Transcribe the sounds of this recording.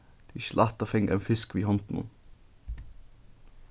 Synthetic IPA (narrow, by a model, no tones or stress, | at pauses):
d̪̥iːʃlʔɑt̪əfɛŋɡæ̰nfɪskʋiːhɔnt̪n̩ʊ̰n